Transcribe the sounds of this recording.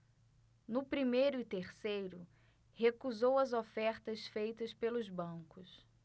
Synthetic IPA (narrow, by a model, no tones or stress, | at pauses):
nʊpɾimejɾʊɪt̪eɾsejɾʊ | hekuzowɐzofɛɾt̪ɐsfejt̪ɐspelʊzbɐ̃kʊs